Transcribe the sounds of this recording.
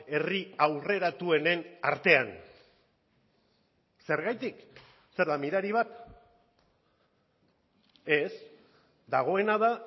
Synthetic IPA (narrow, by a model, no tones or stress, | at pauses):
e̞riawre̞ɾat̪ue̞ne̞na̰ɾt̪e̞an | se̞ɾɣajt̪ik | se̞ɾðamiɾaɾiβ̞at̪ | e̞s | d̪aɣ̞o̞e̞naða